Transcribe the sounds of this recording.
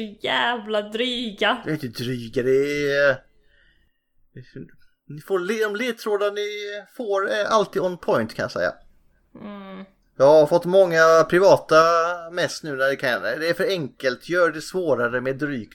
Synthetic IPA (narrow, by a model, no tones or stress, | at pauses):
jæːvlad̪ɾyːɡajɪnt̪əd̪ɾyːɡəd̪ɛ | nɪfoːɾlːɔmleːt̪ʰɾoːd̪anɪfoːɾɛʔalt̪ʰiːd̪ɔnpʰɔjnt̪kʰanjɑ̰sɛ̰jːa̰ | jɑːɡhaɾfɔt̪ːmɔŋːapʰɾɪvɑːt̪amɛst̪nʉ̟ːnæɖɛkʰad̪ɛːɾfœɾɛŋkəlt̪ʰjœːɖɛsvoːɾaɾəmɛːd̪ːɾyːk